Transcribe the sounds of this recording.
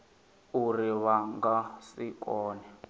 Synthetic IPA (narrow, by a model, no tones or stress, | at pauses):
uriβaŋɡasikɔːnɛ